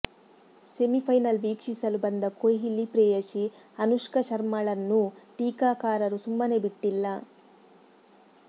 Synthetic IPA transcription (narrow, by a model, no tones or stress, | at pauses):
se̞mipʰɐjnɐlʋiːkʂisɐlubɐnd̪ɐkojɦilːipɾɛːjɐʃiɐnuʂkɐʃɐɾmɐɭɐnːuʈiːkaːkaːɾɐɾusumːɐne̞biʈːilːɐ